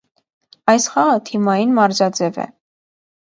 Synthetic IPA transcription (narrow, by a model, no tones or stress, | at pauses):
ɑjsχɑʁət̪ʰimɑjinmɑɾzɑd͡zɛvɛ̰